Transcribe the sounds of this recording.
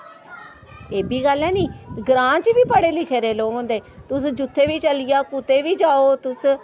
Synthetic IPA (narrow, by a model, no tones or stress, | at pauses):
eːbiːɡəlːãːniːɡɾãːt͡ʃʋiːpəɽeːlɪkʰeːɾeːloːõːnd̪eːt̪ʊsd͡ʒʊt̪ʰːeːʋiːt͡ʃəlɪjaːkʊt̪eːʋiːd͡ʒaːoːt̪ʊs